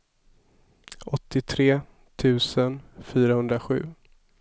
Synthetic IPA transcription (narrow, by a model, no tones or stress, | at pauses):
ʔɔt̪ʰːɪt̪ʰɾeː | t̪ʰʉ̟ːsənfyːɾahɵnd̪ɾaɧʉ̟̰ː